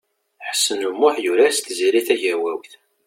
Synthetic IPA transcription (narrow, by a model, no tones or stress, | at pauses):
ħə̥sːənumːʊħjuɾæst̪ziɾiθæʝæwæwθ